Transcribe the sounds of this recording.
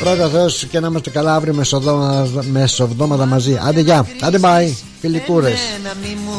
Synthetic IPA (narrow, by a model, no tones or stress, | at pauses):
pɾo̞t̪ɐθeoscenɐimɐst̪e̞kɐlɐɐvɾiomesomesovd̪o̞mɐt̪ɐmɐziʔɐ̰nd̪eʝɐɐnd̪ebɐi | filik̪uɾe̞s